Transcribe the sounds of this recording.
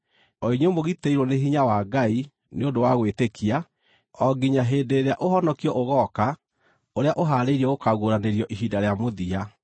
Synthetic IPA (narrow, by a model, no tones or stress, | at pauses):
ɔiɲemoɣiteiɾwɔneɦiɲawaɡai | neondowaɣwetekʰia | ɔɡiɲaɦeːdeɾeaʔoɦɔnɔkiɔʔoɣɔka | oɾeaʔoɦaɾeiɾiɔɣokaɣoɾaneɾjɔʔiɦidaɾeamoðia